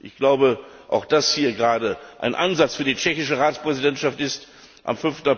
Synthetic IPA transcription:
ʔɪçɡ̥laʊbə | ʔa̰ʊxd̥ashiːɐɡʁaːdəʔa̰ɪnʔanzat͡sfyːɐdit͡ʃɛçɪʃəʁaːt͡spʁ̥ɛzidɛntʃaftɪst | ʔa̰mfʏnftn̩a

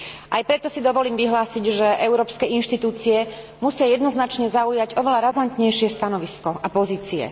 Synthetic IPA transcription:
ʔajpɾɛt̪ɔsid̪ɔʋɔliːmʋiɦlaːsiɟʒɛʔɛʊɾɔːpskɛinʃt̪it̪uːt͡siɛ | musɪajɛd̪nɔznat͡ʃɲɛzaujaɟɔʋɛlaɾazant̪ɲɛjʃɪɛst̪anɔʋiskɔʔapɔziːt͡siɛ̰

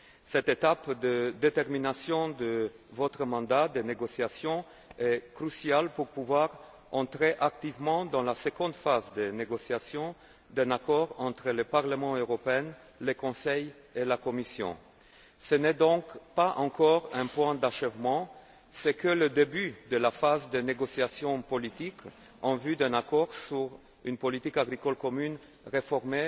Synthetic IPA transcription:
sɛt̪et̪apd̪əd̪et̪ɛʁminasjɔ̃d̪ə | vɔt̪χəmɑ̃d̪ad̪eneɡɔsjasjɔ̃ | ɛkχysjalpuʁpuvwaʁ | ɑ̃t̪χeʔak̚t̪ivmɑ̃d̪ɑ̃lasəɡɔ̃d̪fazd̪eneɡɔsjasjɔ̃ | d̪ɛ̃nakɔʁɑ̃t̪χələpaʁləmɑ̃øʁɔpeɛn | ləkɔ̃sɛj | elakɔmisjɔ̰̃ | sənɛd̪ɔ̃kpaʔɑ̃kɔʁɛ̃pwɛ̃d̪aʃɛvmɑ̃ | sɛkələd̪ebyd̪əlafazd̪əneɡɔsjasjɔ̃pɔlit̪ik | ɑ̃vyd̪ɛ̃nakɔʁsyʁ | ynpɔlit̪ikaɡʁikɔlkɔmyn | ʁefɔʁme

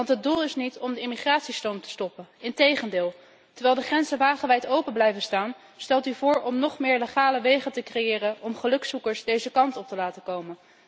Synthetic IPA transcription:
ɑntɦədulˠɪsnitɔmdəɪmiχraːtsistowmtə̥stɔpənɪntejχəndɪːlˠ | təɹʋɛːlˠdəχrɛnzəʋaːχəʋɛjtowpənblɛjvənstaːn | stɛlˠtyvʊːɹɔmnɔχmɪːɹleχaːləʋejχətəkrejɪːrənɔmχəlɵksukəɹsdejzəkɑntɔp̚təlaːtəkowmən

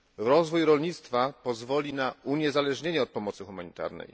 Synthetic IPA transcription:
ɾɔzvujɾɔlɲit̪st̪fapɔzvɔlʲinauɲɛzalɛʐɲeɲɛɔt̪̚pɔmɔt̪sɘxumaɲit̪a̰ɾnɛ̰j

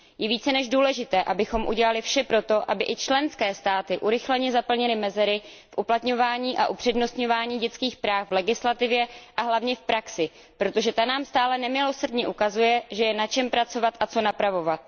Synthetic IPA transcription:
jɛviːt͡sɛnɛʒduːlɛʒɪt̪ɛːʔabɪxo̞mʔṵɟɛlalɪfʃɛpɾo̞t̪o̞ʔabɪʔɪt͡ʃlɛnskɛːst̪aːt̪ɪʔuɾɪxlɛɲɛzapl̩ɲɛlɪmɛzɛɾɪ | fʔuplat̪ɲo̞vaːɲiːʔaʔupr̝̥ɛdno̞st̪ɲo̞vaːɲiːɟɛt͡skiːxpɾaːxvlɛɡɪslat̪ɪvjɛʔaɦlavɲɛfpɾaksɪ | pɾo̞t̪o̞ʒɛt̪anaːmst̪aːlɛnɛmɪlo̞sr̩dɲɛʔukazujɛʒɛjɛnat͡ʃɛmpɾat͡so̞vat̪ʔat͡so̞napɾavo̞vat̪̚

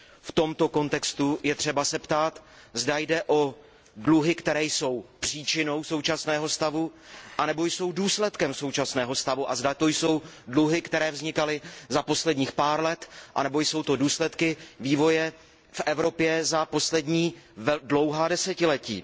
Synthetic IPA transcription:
ft̪o̞mt̪o̞ko̞nt̪ɛkst̪ujɛt̪r̝̥ɛbasɛpt̪aːt̪zdajdɛʔo̞ | dluɦɪkt̪ɛɾɛːjso̞wpr̝̥iːt͡ʃɪno̞wso̞wt͡ʃasnɛːɦo̞st̪avuʔanɛbo̞jso̞wduːslɛt̪kɛmso̞wt͡ʃasnɛːɦo̞st̪avuʔazdat̪o̞jso̞w | dluɦɪkt̪ɛɾɛːvzɲɪkalɪzapo̞slɛdɲiːxpaːɾlɛt̪ʔa̰nɛbo̞jso̞wt̪oduːslɛt̪kɪviːvo̞jɛ | fʔɛvɾo̞pjɛzapo̞slɛdɲiːdlo̞wɦaːdɛsɛcɪlɛcḭː

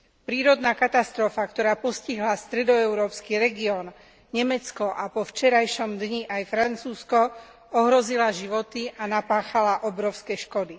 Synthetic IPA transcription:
pɾiːɾɔd̪nakat̪ast̪ɾɔfakt̪ɔɾaːpɔsciɦlast̪ɾɛd̪ɔɛʊɾɔːpskiɾɛɡiɔːn | ɲɛmɛt͡skɔʔapɔft͡ʃɛɾajʃɔmd̪ɲiʔajfɾant͡suːskɔ | ɔɦɾɔzilaʒiʋɔt̪iʔanapaːxalaʔɔbɾɔʊskɛʃkɔd̪i

